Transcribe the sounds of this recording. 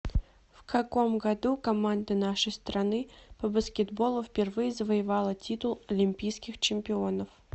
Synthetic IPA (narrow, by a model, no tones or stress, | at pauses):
fkɐko̞mɡɐd̪ukɐmand̪ənaʂəjst̪ɾɐnɨpəbəskʲɪd̪bo̞lˠʊfpʲɪrvɨjəzəvəjɪvalˠətʲit̪ʊlˠɐlʲɪmʲpʲijskʲɪxt͡ɕɪmʲpʲɪo̞nəf